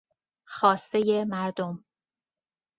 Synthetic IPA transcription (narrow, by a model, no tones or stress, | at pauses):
xɒːst̪ejemæɾd̪om